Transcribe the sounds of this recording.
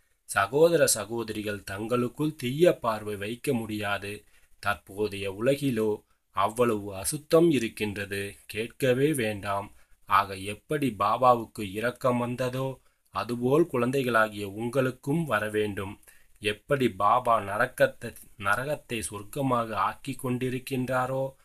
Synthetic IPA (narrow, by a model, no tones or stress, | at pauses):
sɐɣoːðɐɾɐsɐɣoːðɐɾɪɣɐɭt̪ɐŋɡɐɭɯkːɯɭt̪ijːɐpːaːɾʋɐɪʋɐɪkːɐmʊɽɪjaːðɯ | t̪ɐɾpoːðɐjɐʊlɐɣɪloː | ɐʋːɐɭɐʋɯɐsɯt̪ːɐmɪɾɯkːɪndrɐðɯkeːʈ̚kɐʋeːʋeːɳɖaːmaːɣɐɛpːɐɽibaːbaːʋɯkːɯɪɾɐkːɐmʋɐnd̪ɐðoː | ɐðɯpoːlkʊɻɐnd̪ɐɪɣɐɭaːɣɪjɐʊŋɡɐɭɯkːɯmʋɐɾɐʋeːɳɖɯm | ɛpːɐɽibaːbaːnɐɾɐkːɐt̪ːnɐɾɐɣɐt̪ːɐɪsʊrkɐmaːɣɐaːkɪkːɔɳɖɪɾɯkːɪndraːɾoː